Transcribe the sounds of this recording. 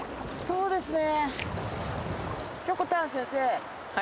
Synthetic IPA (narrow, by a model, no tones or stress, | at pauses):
so̞ːd̪e̞sɨne | kokːot̪ãɰ̃sẽɰ̃se | a